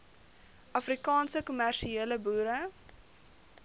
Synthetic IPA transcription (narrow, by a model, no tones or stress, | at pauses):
ɐfrikɑːnsəkumærʃieːləbuːɾə